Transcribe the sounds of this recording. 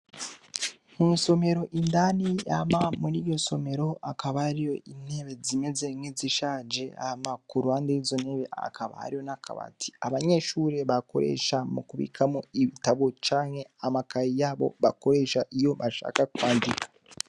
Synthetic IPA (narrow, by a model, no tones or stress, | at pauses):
munso̞me̞ɾo̞ʔindanija̰mamuɾiːɾjo̞so̞me̞ɾo̞ʔakaβahaɾijo̞ʔine̞βe̞zime̞ze̞ŋiziʃaːd͡ʒe̞a̰hamakuɾuhaːndejizone̞βe̞a̰kʰaβa̰ha̰ɾijonakʰa̰βa̰tiaβaɲe̞ʃuɾe̞βako̞̰ɾe̞̰ʃamukuβḭːkʰamoiβitaβot͡ʃaːŋhe̞amakajijaːβo̞̰βako̞ɾe̞ʃaʔijo̞βaʃa̰ːkakwaːndikḁ